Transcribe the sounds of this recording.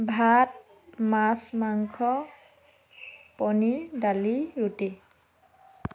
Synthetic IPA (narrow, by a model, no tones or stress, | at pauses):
bʱat̚ | masmaŋkʰɔ | pɔnidaliɹuti